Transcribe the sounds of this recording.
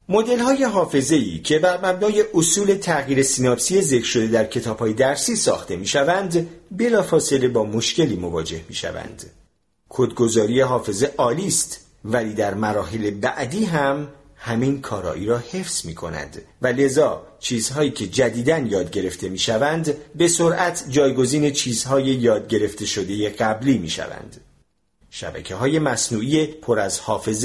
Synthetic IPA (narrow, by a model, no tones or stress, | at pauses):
mo̞d̪e̞lhɒːje̞ɦɒːfe̞ze̞ḭːcʰe̞væɾmæbnɒːje̞ʔosuːle̞t̪ʰæɣjiːɾe̞siːnɒːbsie̞ze̞kɾʃo̞d̪e̞d̪æɾcʰe̞t̪ʰɒːb̥hɒːje̞d̪æɾsiːsɒ̰ːxt̪e̞miːʃævænd̪be̞lɒːfɒːse̞le̞bɒːmo̞ʃce̞liːmo̞vɒːd͡ʒe̞hmḭːʃæ̰væ̰nd̪̥ | kʰod̪ɡo̞zɒːɾiːjeɦɒːfe̞ze̞ʔɒːliːst̪ | væliːd̪æɾmæɾɒːɦele̞bæʔd̪iːɦæm | hæmiːnkʰɒːɾɒ̰ːʔiːɾɒːhe̞fsmiːkʰo̞næ̰nd̪væle̞zɒːt͡ʃʰiːz̥hɒːiːcʰe̞d͡ʒæd̪iːd̪ænjɒːd̪ɟe̞ɾe̞ft̪ʰe̞miːʃævænd̪be̞so̞ɾʔæt̪ʰd͡ʒɒːjɡo̞ziːne̞t͡ʃʰiːz̥hɒːje̞jɒːd̪̚ɟe̞ɾe̞ft̪ʰe̞ʃo̞d̪e̞jeɢæbliːmiːʃæ̰væ̰nd̪̥ | ʃæ̰bæ̰cʰeɦɒːje̞mæsnuːʔije̞pʰoɾæzhɒːfe̞z